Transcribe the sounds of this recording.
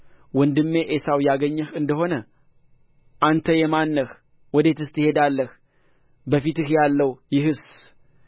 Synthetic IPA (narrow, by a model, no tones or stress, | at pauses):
wɔnd̪ɨmːe̞ʔesawjaɡəɲːəhɨnd̪əɦo̞nə | ʔant̪ʰəjɛmanːəx | wɔd̪e̞t̪ɨst̪jɪhe̞d̪alːəh | bəfit̪ɨhjalːəwjɪɦɨs